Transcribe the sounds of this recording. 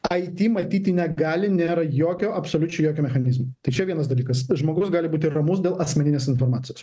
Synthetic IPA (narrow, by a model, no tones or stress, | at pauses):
ɐɪt̪ʲiːmɐt̪ʲiːt̪ʲɪnʲɛɡɑːlʲɪnʲeːɾɐjoːkʲoːɐpsoːlʲʊt͡ʃʲɛʊjoːkʲoːmʲɛxɐnʲɪzmot̪ɐɪt͡ʃʲɛʋʲiɛnɐsd̪ɐlʲiːkɐsʒmoːɡʊsɡɑːlʲɪbuːt̪ʲɪrɐmʊsd̪ʲeːlˠɐsʲmʲɛnʲɪnʲeːsɪnfoːɾmɑːt̪ʲɪjoːs